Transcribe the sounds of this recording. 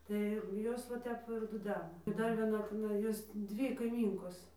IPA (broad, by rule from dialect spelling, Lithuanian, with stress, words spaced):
tɐɪ jɛʊ ˈjoːs ʋɐ ˈtʲɛp ɪr dʊˈdʲæːnɐ ɪ ˈdɐr ʋʲiɛˈnɐ tʲɪˈnɐɪ ˈjoːs ˈdʲʋʲiː kɐɪˈmʲiːŋkoːs